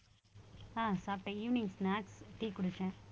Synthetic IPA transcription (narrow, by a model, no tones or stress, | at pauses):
aːsaːpʈẽiːʋnɪ̃ŋsnaːʈsʈiːkʊɽɯt͡ʃːɛ̃